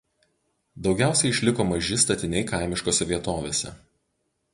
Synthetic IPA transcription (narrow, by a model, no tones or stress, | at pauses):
d̪ɒʊɡʲæˑʊsʲɛɪɪʃʲlʲɪkoːmɐʒʲɪst̪ɐt̪ʲɪnʲɛɪkɐˑɪmʲɪʃkoːsʲɛʋʲiɛt̪oːʋʲeːsʲɛ̰